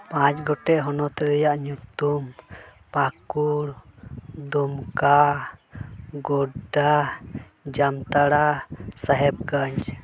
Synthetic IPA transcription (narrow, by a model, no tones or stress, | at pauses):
pãt͡ʃɡɔʈɛʔɦɔnɔt̪ɛɾɛjaʔɲut̪um | pakuɽ | d̪ɔmka | ɡɔɖa | d͡ʒamt̪aɽasaɦɛb̚ɡaɲd͡ʒ